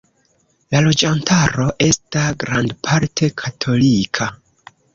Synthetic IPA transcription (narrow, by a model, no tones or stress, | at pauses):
lalo̞d͡ʒantʰaɾo̞ʔe̞staɡɾandpʰaɾtʰe̞kʰatʰo̞likʰa